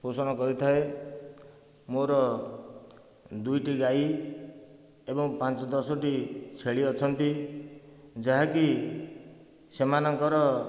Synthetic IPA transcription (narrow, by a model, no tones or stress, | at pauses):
posɔñʌkʌɾit̪ʰʌe | moɾʌ | d̪ujʈiɡai | ebʌŋpãnt͡sd̪ʌsɔʈit͡sʰeɭiʌt͡sʰʌnt̪i | d͡zaɦãki | semanʌŋkʌɾʌ